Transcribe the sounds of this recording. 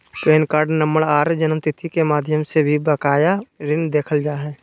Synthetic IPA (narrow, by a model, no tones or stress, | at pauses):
pɾeːnkaːɾɖnəməɽaːɾd͡ʒənəmt̪ɪt̪ʰikemaːd̪ʱjəmsebʱibəkaːjaɾɪnd̪eːkʰəld͡ʒaːɦɛː